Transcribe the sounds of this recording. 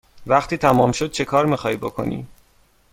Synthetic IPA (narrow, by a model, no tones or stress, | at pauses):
væχt̪ʰiːt̪ʰæmɒːmʃo̞d̪̥̚t͡ʃʰe̞kʰɒːɾmixɒːjbokʰo̞̰nḭː